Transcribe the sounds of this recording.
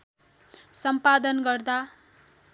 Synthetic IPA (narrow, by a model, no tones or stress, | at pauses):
sʌmpad̪ʌnɡʌrd̪a